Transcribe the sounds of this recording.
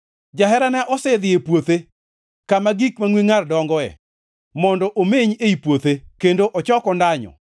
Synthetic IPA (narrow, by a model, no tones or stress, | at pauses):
d͡ʒaɦɛɾanɛʔɔsed̪ɪepwot̪e | kamaɡikmaŋwiŋardɔŋɡɔɛ̰ | mɔndɔʔomeɲeipwot̪ekendoʔɔt͡ʃɔkɔndaɲɔ̰